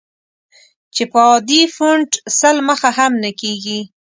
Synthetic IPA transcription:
t͡ʃepəɑd̪ifuɳɖsəlməxaɦamnakeɡi

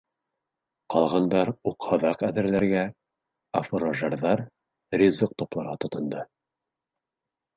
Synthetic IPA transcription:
qɑlˠʁɑnd̪ɑɾuqhɑðɑqæðɘ̆ɾlæɾɡæ | ɐfoɾaʒɑɾðɑɾ | ɾʲizɤq̚t̪oplˠɑɾʁɑt̪ŏt̪ɤ̆nd̪ɤ

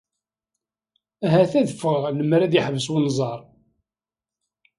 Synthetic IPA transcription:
æɦæθæðəfəʁləmɾæðjɪħvəswənzˤɑɾˤ

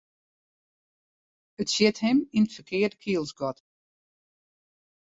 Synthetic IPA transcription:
ətsjɪthɛminətfəkʰɪərdəkʰiəlˠsɡɔt

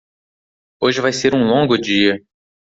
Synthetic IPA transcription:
oʒɪvajseɾũlõŋɡʊd͡ʒiɐ

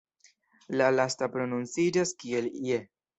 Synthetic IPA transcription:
lalastapɾo̞nunt͡sid͡ʒaskie̞lie

